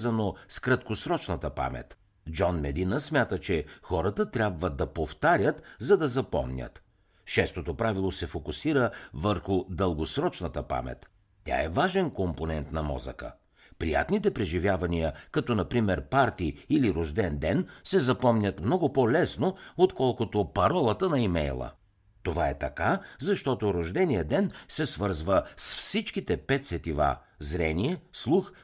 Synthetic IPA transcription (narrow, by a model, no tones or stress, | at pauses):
zɐnoskɾɐt̪kosɾɔt͡ʃnət̪əpa̰mɛ̰t̪ | d͡ʒɔnmɛd̪inəsmʲat̪ət͡ʃɛxɔɾət̪ət̪ɾʲjabvəd̪ɐpoft̪aɾʲət̪zɐd̪ɐzɐpɔ̰mnʲə̰t̪ | ʃɛst̪ot̪opɾavilˠosɛfokʊsiɾəvəɾxʊd̪əlˠɡosɾɔt͡ʃnət̪əpa̰mɛ̰t̪ːʲ | a̰ɛvaʒɛnkomponɛnt̪nɐmɔ̰zə̰kə̰ | pɾija̰t̪nit̪ɛpɾɛʒivjavɐniəkɐt̪ɔnɐpɾimɛɾpaɾt̪iiliɾoʒd̪ɛnd̪ɛnsɛzɐpɔmnʲət̪mnɔɡʊpolɛsnoot̪kɔlˠkot̪opɐɾɔlˠət̪ənɐimɛjlˠə̰ | t̪ovaɛt̪ɐkazɐʃt̪ɔt̪oɾoʒd̪ɛnijəd̪ɛnsɛsvɤɾzvəsfsit͡ʃkit̪ɛpɛt̪sɛt̪iva̰ | zɾɛniɛslˠux